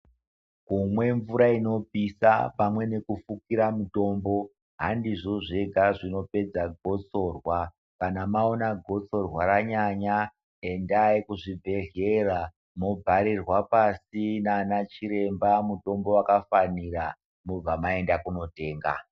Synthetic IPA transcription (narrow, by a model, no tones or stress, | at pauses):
kumwe̞ɱvuɾaino̞pisa̰pamwe̞ne̞kufukiɾamuto̞ːmbo̞ | ɦandiʐo̞ʐe̞ɡʱaʐino̞pe̞d͡zaɡʱo̞t͡so̞rwa | kanamaonaɡʱo̞t͡so̞rwaɾaɲaɲa | e̞ndaikuʐibʱe̞ɮe̞ra | mobʱaɾirwapasinaːnat͡ʃiɾe̞mbamuto̞mbo̞wakafanira | mub͡vamae̞ndakuno̞te̞ːŋɡa̰